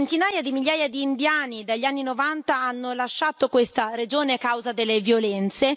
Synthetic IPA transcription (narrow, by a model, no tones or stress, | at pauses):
nt̪inaːjad̪imiʎːaːjad̪iːnd̪jaːnid̪aʎːianːinovant̪aanːolaʃːaːt̪okwest̪aɾed͡ʒoːnekawzad̪elːevjolɛnt̪se